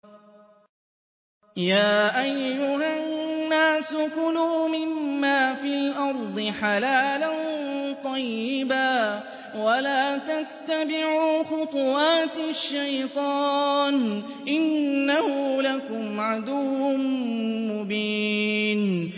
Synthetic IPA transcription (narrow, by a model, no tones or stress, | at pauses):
jaːʔajːʊɦanːaːsʊkʊluːmɪmmːaːfilʔɑɾˤd̪ˤɨħalaːlant̪ˤɑjːɪbaː | walaːt̪at̪ːabɪʕuːxʊt̪ˤʊwɑːt̪ɪʃːajt̪ˤɑːn | ʔɪnːahʊlakʊmʕad̪ʊwːʊ | mʊbiːn